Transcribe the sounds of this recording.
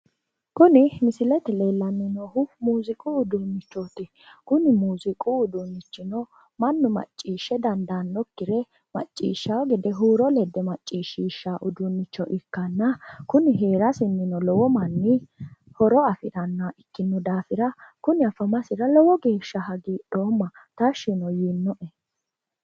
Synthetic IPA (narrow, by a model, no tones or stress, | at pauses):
kʊnɪmɪsɪlɛt̪ɛle̞ːlːɐnːɪnoːhʊmuːzɪkʼʊʊd̪unːɪt͡ʃːot̪ɪ | kʊnɪmuːzɪkʼuʊd̪unːɪt͡ʃːɪnɔ | mɐnːʊmɐ̰t͡ʃʼːiːʃːɛd̪ɐnd̪anːɔkːɪɾɛ | mɐ̰t͡ʃʼːḭːʃːɐwɔɡɛd̪ɛɦuːɾɔlɛd̪ɛmɐt͡ʃʼːiːʃːiːʃːaʔʊd̪unːɪt͡ʃːɔʔɪkːɐnːɐkʊnɪɦe̞ːɾɐsɪnːɪnɔlɔwɔmɐnːɪ | hɔɾɔɐfɪɾɐnːaʔɪkːɪnːʊd̪aːfɪɾɐkʊnɪɐfɐmɐsɪɾɐlɔwɔɡe̞ːʃːɐɦɐɡiːɗo̞ːmːɐt̪ɐʃːɪnɔjinːɔʔɛ